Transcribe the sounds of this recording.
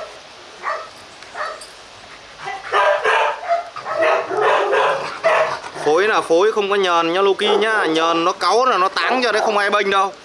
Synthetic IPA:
fo˨˦jnaː˨˩fo˨˦jxə˧wŋ͡mkɔ˨˦ɲəː˨˩nɲɔ˨˦lu˧ki˧ɲaː˨˧˨ɲəː˨˩nːɔ˨˦kə˨˦wnaː˨˩nɔ˨˦t̪aː˨˦ŋt͡ɕɔ˧ɗə˨˦jxə˧wŋ͡mʔaː˧jɓə˧ŋ̟ɗə˧w

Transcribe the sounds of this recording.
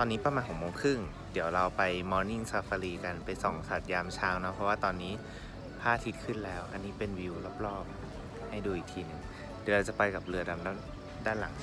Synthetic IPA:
t̪ɔː˧nːiː˦˥pa˧maː˧nkʰːmoː˧ŋkʰɯ˥˩ŋ | di˨˩˦əwɾa˧wpa˧jmɔː˧ni˥˩ŋsaː˧faː˧liː˧ka˧npa˧jsɔ˨˩˦ŋsa˨˩t̪̚jaː˧mt͡ɕʰaː˦˥wnɔ˦˥pʰɔ˦˥waː˥˩t̪ɔː˧nːiː˦˥ | pʰaː˥˩t̪ʰi˦t̪̚kʰɯ˥˩nlɛː˦˥wʔa̰˧nːiː˦˥pe˧nwi˧wlɔ˧˥˩p̚lɔː˥˩p̚ | ha˥˩jduː˧ʔi˨˩k̚t̪ʰiː˧nɯ˨˩ŋ | d̥i˨˩˦ɾa˧wt͡ɕa˨˩pa˧jka˨˩p̚lɯ˧ɐda˧mda˥˩ | daː˥˩nla˨˩˦ŋ

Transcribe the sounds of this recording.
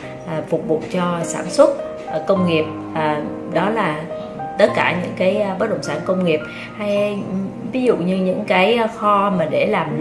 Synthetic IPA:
ʔfʊ˨˩k͡p̚vu˨˩t̚t͡ɕɔ˧saː˧˩nswə˦˥t̚ | kə˧wŋ͡mŋi˨˩əp̚ | ʔ | ɗɔ˨˦laː˨˩ | t̪ə˦˥t̚kaː˧˩ɲɨ̰˧˥ŋkaː˨˦jɓə˦˥t̚ɗə̰˧˨ŋ͡msaː˧˩nkə˧wŋ͡mŋi˨˩əp̚ | ha˧j | vi˨˦zṵ˧˨ɲɨ˧ɲɨ̰˧˥ŋkaː˨˦jxɔ˧maː˨˩ɗe˧˩laː˨˩m

